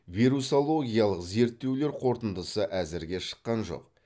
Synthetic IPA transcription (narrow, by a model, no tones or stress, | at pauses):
viɾusolˠo̞ɡʲijalˠəqze̞ɾt̪ːe̞wle̞ɾqʰo̞ɾt̪ənd̪əsəʔæzɪɾɡʲe̞ʃə̥qːɑnʒo̞̰q